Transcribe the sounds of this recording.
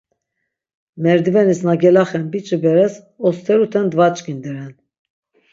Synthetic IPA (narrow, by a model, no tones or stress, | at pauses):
mɛɾd̪ivɛnisnaɡɛlaχɛnbit͡ʃʼəbɛɾɛs | ɔst̪ʰɛɾut̪ʰɛnd̪vat͡ʃʼkind̪ɛɾɛn